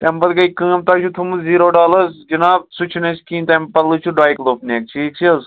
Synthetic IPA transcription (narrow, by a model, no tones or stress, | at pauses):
t̪empɐt̪ɡɐikɨ̃ːmt̪aːt͡ʃʰut̪ʰumuziːɾoːɖaːlɐzd͡ʒinaːbsut͡ʃʰnɐt͡ʃʰkĩːnt̪ɐmpɐlɨt͡ʃʰuɖaːjklofneːk̚t͡ʃʰiːk̚t͡ʃʰiɐz